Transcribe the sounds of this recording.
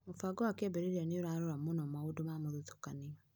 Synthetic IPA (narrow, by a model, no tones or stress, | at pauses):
mufaɡɔwakɛbɛɾeɾianioɾaɾoɾamonɔmaodomamoðutu̥kania